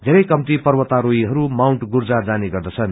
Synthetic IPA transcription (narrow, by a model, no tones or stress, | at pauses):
d̪ʱeɾʌjkʌmt̪ipʌrwʌt̪ːaɾoiɦʌɾumawɳʈɡurd͡zad͡zaniɡʌrd̪ʌt͡sʰʌn